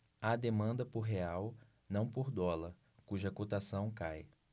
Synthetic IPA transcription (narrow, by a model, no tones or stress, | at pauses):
ad̪emɐ̃nd̪ɐpoɾɦeaw | nɐ̃w̃poɾd̪ɔlɐɾ | kuʒɐkot̪asɐ̃w̃kaj